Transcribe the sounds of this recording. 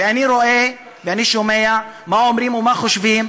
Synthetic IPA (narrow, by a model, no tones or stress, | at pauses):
veaniɾoʔe | veaniʃome̞amaomɾimumaχoʃvim